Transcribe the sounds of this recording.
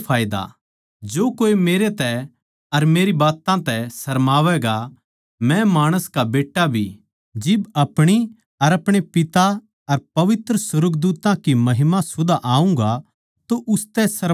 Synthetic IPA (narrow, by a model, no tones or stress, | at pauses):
pʰaːɪd̪a̰ | d͡ʒoːkoːimeːɾet̪ɛ | ɐɾmeːɾibaːt̪ãt̪ɛsɐɾmaːʋɛɡa | mɛ̃maːɽ̃əskabeːʈːabʱḭ | d͡ʒɪbɐpɽ̃i | ɐɾɐpɽ̃epɪt̪a | ɐɾpɐʋɪt̪ɾəsʊɾəɡd̪uːt̪ãkimɐɦɪmasʊd̪aʔaːũŋɡa | t̪oʔʊst̪ɛsɐɾ